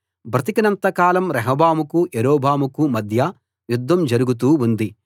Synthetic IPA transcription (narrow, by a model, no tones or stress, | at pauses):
bʱɾɐt̪ikɐnɐnt̪ɐkaːlɐmɾɛɦɐbaːmukuʔeɾoːbʱaːmukumɐd̪ʱjɐ | jud̪ʱːɐmd͡ʒɐɾuɡut̪̬uːund̪i